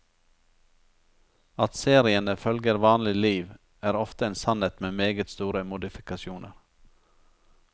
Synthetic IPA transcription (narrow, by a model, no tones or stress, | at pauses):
ɑt̪seːɾɪənəfœlɡəɾʋɑːnlɪliːʋ | æːɾɔft̪əeːnsɑneːt̪meːmeːɡət̪st̪uːɾəmʊd̪ɪfɪkɑʃjuːnʔə̰ɾ